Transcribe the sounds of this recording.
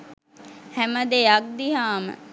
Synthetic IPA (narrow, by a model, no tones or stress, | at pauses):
hɛməd̪eak̚d̪iɦaːmə̰